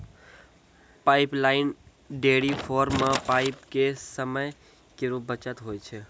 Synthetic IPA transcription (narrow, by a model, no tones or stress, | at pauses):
paɪplaːɪn | ɖeɽifʰoːɾmãpaɪpkesəməj | keɾubət͡ʃət̪ɦoːjt͡ʃʰe